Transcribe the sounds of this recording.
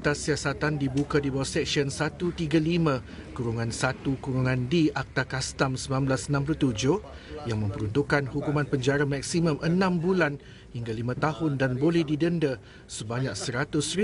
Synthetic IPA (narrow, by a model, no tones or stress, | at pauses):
t̪asːiasat̪andibukadibawasɛk̚ʃiənsat̪ut̪iɡalimã | kuɾuŋãnsat̪ukuɾuŋãndiʔak̚t̪akast̪amsəmlamblasənãmp̬lut̪ud͡ʒʊh | jaŋmə̃mpəɾunt̪ukːanhukumãnpəɲd͡ʒaɾamak̚simə̃mʔənãmbulan | hiŋɡalimãt̪ahʊndanbolɛhdidəndə | səbaɲãk̚səɾat̪ʊs